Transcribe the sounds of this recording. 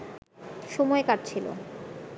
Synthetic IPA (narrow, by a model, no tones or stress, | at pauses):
ʃɔmɔekaʈ̚t͡ɕʰilo̰